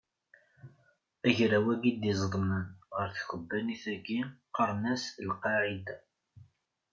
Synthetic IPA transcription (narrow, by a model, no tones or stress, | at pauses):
æʝɾæwæɡid̪izˤðˤmənʁəɾθçəbːæniθæɡiqəɾˤnæslqɑʕid̪a